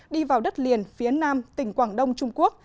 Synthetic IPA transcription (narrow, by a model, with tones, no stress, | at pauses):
ɗi˧vaː˨˩wɗə˦˥t̚li˨˩ənfi˨˦ənaː˧mt̪ï˨˩ŋ̟kwaː˧˩ŋɗə˧wŋ͡mt͡ɕʊ˧ŋ͡mku˦˥ək̚